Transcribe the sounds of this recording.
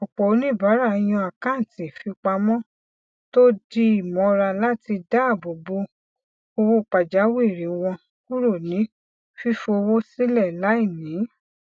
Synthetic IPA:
ɔ˨k͡pɔ˨o˨˧nĩ˦˨ba˨˦ɾa˦˧˨j̃ɔ̃˧a˨kã˦n˨tĩ˨fi˧k͡pa˧mɔ̃˦ | to˦di˦i˦˨mɔ̃˨˧˦ɾa˧la˦ti˧da˦˨bo˨bo˨˦ | o˧wo˧˦˨k͡pa˨d͡ʒa˨˦wi˦˨ɾi˨˦wɔ̃˧ | ku˦ɾo˦˨nĩ˨˦ | fi˦fo˧wo˦si˦lɛ˦˨la˨˦i˦˨nĩ˨˦

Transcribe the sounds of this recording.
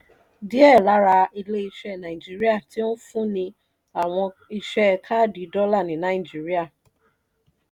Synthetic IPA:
di˦ɛ˦˨la˨˦ɾa˧i˧le˦i˧ʃɛ˦˨nã˨i˨d͡ʒi˦ɾi˦a˦˨ti˦o˦fũ˦nĩ˧ | a˨w̃ɔ̃˧i˧ʃɛ˦kʰa˦di˨˦dɔ˦la˦˨nĩ˨nã˨˦i˨d͡ʒi˨˦ɾi˦a˦˨

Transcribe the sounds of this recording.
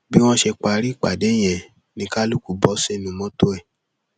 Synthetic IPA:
bi˦w̃ɔ̃˦ʃe˧k͡pa˧ɾi˦˨k͡pa̰˨de˨˦j̃ɛ̃˨ | nĩ˧ka˦lu˦ku˨bɔ˦se˦˨nũ˨mɔ̃˦to˦ɛ˦˨

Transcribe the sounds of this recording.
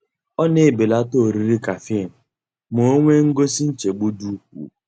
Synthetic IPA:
ɔ˦ne˨be˨la˦to˦˨ɾi˦ɾi˦ka˨fi˦˨n̩˨ | mo˨o˦ŋʷe˦ŋ̩˦ɡo˦si˦n̩˦t͡ʃe˨ɡ͡bu˦du˦ṵ˨

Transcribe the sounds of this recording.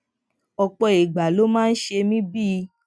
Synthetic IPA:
ɔ˧k͡pɔ˧i˨ɡ͡ba˨lo˨˦mãː˦˧n̩˦ʃe˧mĩ˦bi˦˧

